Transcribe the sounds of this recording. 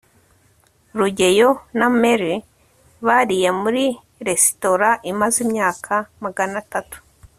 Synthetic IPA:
ɾuɟe̞jo̞nameɾi | βaɾije̞muɾi | ɾe̞si̥to̞ɾaʔimazimɲaːkʰamaɡanatatu̥

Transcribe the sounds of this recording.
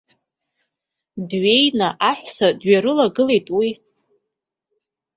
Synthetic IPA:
dɥe̞jnaʔaħᶣsadɥaɾɨlaɡɨle̞jtʼwi

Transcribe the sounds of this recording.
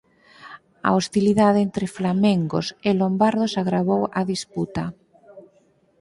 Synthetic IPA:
a̰ost̪iliðaðent̪ɾeflamẽŋɡo̰sɪlombaɾðosaɣɾaβowaðisput̪a

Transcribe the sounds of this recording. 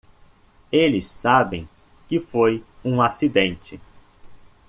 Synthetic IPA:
elɪsːabẽj̃ | kɪfojũasid̪ẽnt͡ʃɪ

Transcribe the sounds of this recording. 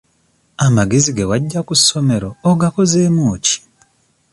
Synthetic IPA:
amaɡe̞ziɡewaɟːakusːo̞me̞ɾo̞ːɡako̞ze̞ːmuːci̥

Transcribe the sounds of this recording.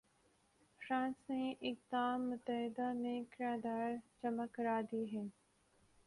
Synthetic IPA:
fɾãːnsnẽʔɪk̚d̪aːmːʊt̪əɦɪd̪amẽkɾaːd̪aːɾt͡ʃəməkːɾaːd̪iːɦɛː

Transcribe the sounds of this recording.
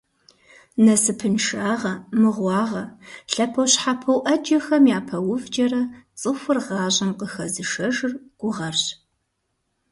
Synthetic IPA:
nɐsɨpʰɨnʃaːʁɐmɨʁʷɑːʁɐɬɐpʰɐwɕħapʰɐwʔɐd͡ʒɐxɐmjaːpʰɐwʊvd͡ʒɐrɐt͡sʼɨxʷʊrʁɑːʑɐmqəxɐzɨʂɐʒɨrɡ̥ʷʊʁɐrɕ

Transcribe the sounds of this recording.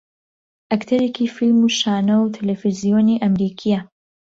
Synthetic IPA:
ʔɐkt̪ʰɐɾekifilmuʃaːnɐwt̪ʰɐlefizijoːniʔɐmɾiːkʰijɐ

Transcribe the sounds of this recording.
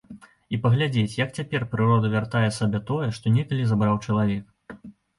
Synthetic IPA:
ipɐɣlʲad͡zʲet͡sʲjɐkt͡sʲapʲɛrpɾɨɾɔd̪ɐvʲart̪ajɛsabʲɛt̪ɔjɛʂt̪ɔnʲɛkɐlʲizabɾawt͡ʂɐlˠavʲɛk̚

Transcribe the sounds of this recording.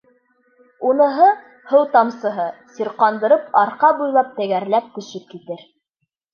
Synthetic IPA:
unɤ̆ɦɤ | hɤwt̪ɑmsɤ̆ɦɤsiɾqɑnd̪ɤ̆ɾɤpɑɾqɑbujlˠɑp̚t̪æɡæɾlæp̚kɵ̆ʃɵp̚kit̪ɘɾ

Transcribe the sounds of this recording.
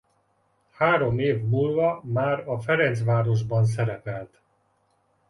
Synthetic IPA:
haːɾo̞meːvmuːlvɒmaːɾɒfɛɾɛnt̪sʋaːɾo̞ʒbɒns̬ɛɾɛpɛlt̪

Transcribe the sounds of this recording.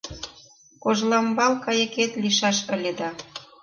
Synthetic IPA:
koʒlɑmbɑlkɑjə̆ket̪liʃɑʃə̆lʲĕd̪ɑ

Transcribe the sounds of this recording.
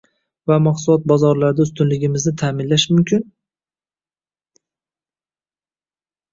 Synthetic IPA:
vamaqsʊlɒt̪̚bɒzɒɾlaɾd̪aʊst̪ʊnlɪɡʲɪmɪznɪt̪ʰaːmɪnlaʃmʊmkʲʰɪn

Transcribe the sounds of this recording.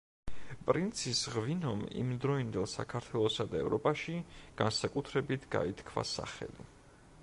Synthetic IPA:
pʼɾint̪sʰisʁvinɔmḭmd̪ɾɔind̪ɛlˠsa̰kʰaɾt̪ʰwɛlˠɔsad̪aɛvɾɔpʼaʃiɡ̥ansakʼut̪ʰɾɛbit̪ʰɡa̰it̪ʰkʰva̰sa̰χɛ̰li

